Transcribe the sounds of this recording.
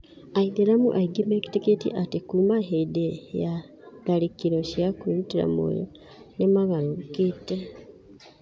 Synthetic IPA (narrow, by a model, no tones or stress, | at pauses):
aideɾamṵʔaiɡimeki̥teketḭʔatikuːmaɦeideja | dalikiɾoʃjakuɾutiɾa̰mo̰ːjo̰ | nemaŋaloβukiːte